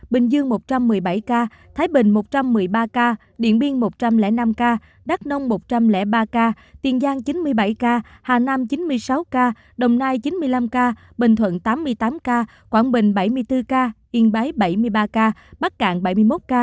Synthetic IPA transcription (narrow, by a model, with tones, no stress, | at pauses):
ɓï˨˩ŋ̟zɨ˧əŋmo˨˩t̚t͡ɕa˧mːɨ˨˩əjɓa˧˩jkaː˧ | t̪ʰaː˨˦jɓï˨˩ŋ̟mo˨˩t̚t͡ɕa˧mːɨ˨˩əjɓaː˧kaː˧ | ɗḭ˧˨ənɓi˧əŋmo˨˩t̚t͡ɕa˧mlɛ̰˧˥na˧mkaː˧ | ɗa˦˥k̚nə˧wŋ͡mmo˨˩t̚t͡ɕa˧mlɛ̰˧˩ɓaː˧kaː˧ | t̪i˨˩ənzaː˧ŋt͡ɕi˨˦nmɨ˧əjɓa˧˩jkaː˧haː˨˩na˧mt͡ɕi˨˦nmɨ˧əjsa˨˦wkaː˧ | ɗə˨˩wŋ͡mnaː˧jt͡ɕi˨˦nmɨ˧əjla˧mkaː˧ | ɓï˨˩ŋ̟t̪ʰwə̰˧˨nt̪aː˨˦mːɨ˧əjt̪aː˨˦mkaː˧ | kwaː˧˩nɓï˨˩ŋ̟ɓa˧˩jmɨ˧əjt̪ɨ˧kaː˧ʔi˧˩əŋɓa˨˦jɓa˧˩jmɨ˧əjɓaː˧kaː˧ɓa˦˥t̚ka̰ː˧˩ŋɓa˧˩jmɨ˧əjmo˦˥t̚kaː˧